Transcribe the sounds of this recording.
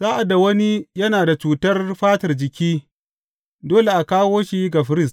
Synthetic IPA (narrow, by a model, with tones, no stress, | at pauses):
z̥aː˦ʔa˨da˨wɐ˦ni˦jɐ˦naː˨da˨t͡ʃuː˨tɐ˦rɸaː˦tɐ˨rd͡ʒɪ˨kʲiː˦ | doː˦le˨ʔa˨kaː˦woː˦ʃi˦ɡa˨ɸɪ˦ɾɪ˦st